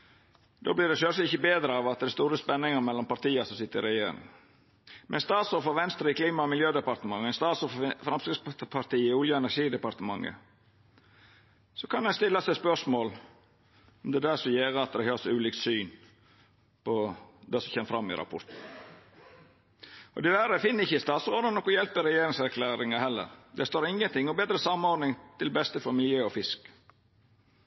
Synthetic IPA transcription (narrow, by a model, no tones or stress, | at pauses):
d̪̥o̰ːblɪːɖɛʃøɾʂɪçəbeːd̪ɾəɑʋɑt̪̚d̪ɛæst̪uːɾəspɛnːɪŋəɾmɛlːɔmpɑɾt̪iːəsɔmsɪt̪ːəɾɪɾɛjeːɾɪ̰ŋ | mʔɛnst̪ɑːt̪sɔfɔʋɛnst̪ɾəɪkʰliːmɑɔmɪljøːd̪ɛpɑɾt̪əmɑŋːəɛnst̪ɑːsɔffɾɑmskɾɪspʰɑɾt̪iːəʊljəɛnæɾʂiːd̪ɛpɑɾt̪əmɑŋːə̰ | sɔkʰɑnɛnst̪ɪlːɑsɛspœʂmoːl | ɔmd̪ɛd̪æsɔjeːɾəɑt̪̚d̪ɛhøːsʉːliːkt̪syːn | pʰɔd̪ɛsɔçɛːmfɾɑmːɪ̰ɾɑ̰pʰʊ̰ɾt̪n̩ | ɔ̰d̪ɛʋæɾəfɪnːəɾɪçːəɪst̪ɑːt̪sɾoːd̪ɑnɔkːʊjɛlpəɾɛjeːɾɪŋsæɾkʰlæːɾɪŋəhɛlːə̰ɾd̪ɛst̪oːɾɪŋːənt̪ɪŋːɔbeːd̪ɾəsɑmːɔɖnɪŋt̪ʰɪlbɛst̪əfɔmɪljøːɔfɪsk